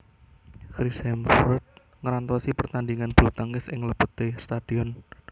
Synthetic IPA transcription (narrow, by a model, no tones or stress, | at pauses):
kɾisɛmfɔt̪̚ | ŋəɾant̪ɔsipərt̪andiŋanb̥ɾut̪aŋɪsɪŋləpət̪est̪ad̥iɔn